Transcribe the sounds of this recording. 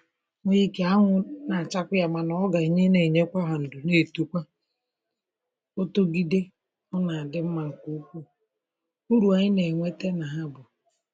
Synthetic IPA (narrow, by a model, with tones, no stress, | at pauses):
ŋʷʊ˦i˦ke˨a˦ŋʷʊ˦na˨t͡ʃa˦kʷʊ˦ja˨ma˨nɔ˦ɔ˦ɡa˨i˨ɲe˦ne˨i˨ɲe˦kʷa˦ɦa˨n̩˨dʊ˨ne˦˨tu˦kʷa˦ | o˦to˦ɡi˦de˦ | ɔ˦na˨a˨dɪ˦m̩˦ma˨ŋ̩˨kʷu˦u˦kʷu˦ | u˦ɾu˨a˨ɲɪ˦ne˨ŋʷe˦te˦na˨ɦa˦bʊ˨